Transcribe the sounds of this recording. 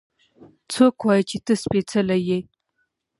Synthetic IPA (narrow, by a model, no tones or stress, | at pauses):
t͡sokwɑjət͡ʃet̪əspet͡səlaje